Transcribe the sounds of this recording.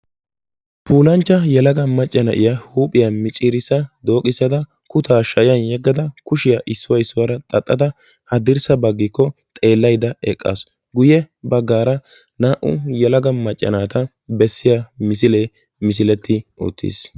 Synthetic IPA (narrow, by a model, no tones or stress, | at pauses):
pʰuːlɐnt͡ʃːɐjɛlɐɡɐmɐt͡ʃʼːɐnɐʔɪjahuːpʼɪjɐmɪt͡ʃʼiːɾɪsːɐd̪o̞ːkʼɪsːɐd̪ɐ | kʊt̪ʰaːʃɐjjɐnjɛɡːɐd̪ɐkʊʃɪjaʔɪsːʊwɐɪsːʊwɐɾɐt̪ʼɐt̪ʼːɐd̪ɐ | hɐd̪ɪɾsɐbɐɡːɪkːɔt̪ʼe̞ːlːɐjd̪ɐɛkʼːa̰s | ɡʊjɛ | bɐɡːaːɾɐ | naːʔʊ̰jɛlɐɡɐmɐt͡ʃʼːɐ̰naːt̪ɐ | bɛsːɪjamɪsɪleː | mɪs̬ɪlɛt̪ʰːɪʊ̰t̪ʰːɪ̰s